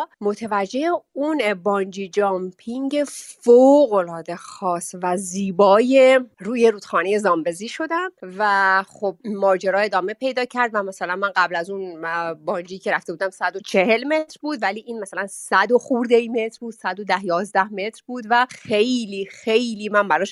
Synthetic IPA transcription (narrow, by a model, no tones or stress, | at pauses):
mo̞t̪ʰevæd͡ʒːeeunbɒːnd͡ʒid͡ʒɒmpʰiŋɟe̞foɣo̞lɒːd̪e̞xɒːsvæziːbɒːje̞ɾuːjeɾuːd̪xɒːneje̞zɒːmbe̞ziːʃo̞d̪æmvæxob̚mɒːd͡ʒeɾɒːe̞d̪ɒːme̞pʰe̞jd̪ɒːcʰæɾd̪væmæsælænmænɢæblæzunbɒːnd͡ʒiːcʰe̞ɾæft̪ebuːd̪æmsæd̪o̞t͡ʃʰe̞he̞lme̞t̪ɾbuːd̪væliːʔiːnmæsælænsæd̪o̞xuːɾd̪eime̞t̪ɾbuːd̪̥sæd̪od̪æhjɒːzd̪æhme̞t̪ɾbuːd̪væxejliːxe̞jliːmænbæɾɒːʃ